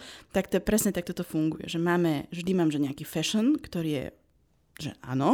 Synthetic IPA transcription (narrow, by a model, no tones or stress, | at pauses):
t̪akt̪ɔpɾɛsɲɛt̪ak̚t̪ɔt̪ɔfuŋɡujɛ̰ʒɛmaːmɛvʒd̪imaːmʒɛɲɛakiːfɛʃɔnkt̪ɔɾiːjɛ̰ | ʒɛ̰ʔa̰ːnɔ